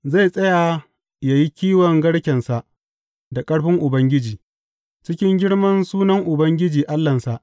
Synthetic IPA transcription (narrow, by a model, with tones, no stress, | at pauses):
za˦˨jsʼɐ˦jaː˨ | ja˨ji˦kʲiː˦wɔ˨ŋɡɐ˦ɽkʲɛ˨nsa˨ʔ | da˨kʼɐ˦ɽɸɪ˦ŋʔʊ˨bɐ˦ŋɡʲɪ˦d͡ʒiː˨ | t͡ʃɪ˦kʲɪ˦ŋɡʲɪ˦ɽmɐ˦nsuː˦nɐ˦ŋʔʊ˨bɐ˦ŋɡʲɪ˦d͡ʒiː˨ʔa˦lːɐ˨nsa˨ʔ